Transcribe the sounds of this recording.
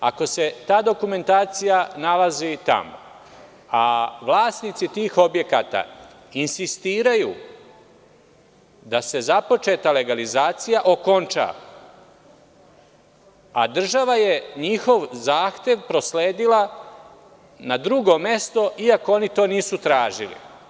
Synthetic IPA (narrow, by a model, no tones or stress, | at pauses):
ako̞se̞t̪aːd̪o̞kume̞nt̪aːt̪sijanalazit̪a̰mo̰ | aʋlˠaːsnit̪sit̪iːxo̞bje̞ka̰t̪a̰ | insist̪iːɾaju | d̪ase̞zapo̞t͡ʃe̞t̪ale̞ɡalizaːt̪sijaʔo̞ko̞nt͡ʃa̰ | ad̪r̩ʒaʋaje̞ɲixo̞ʋzaːxt̪e̞ʋpɾo̞sleːd̪ila | nad̪ɾuɡo̞me̞st̪o̞ʔiako̞o̞nit̪o̞ːniːsut̪ɾaːʒilḭ